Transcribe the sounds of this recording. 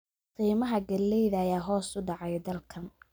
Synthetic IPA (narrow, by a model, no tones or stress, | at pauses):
qiːmɐɦɐɡɐlːɛjðɐːjaːɦɔːsʊɖɑʕɑjd̪ɐlkʰɐn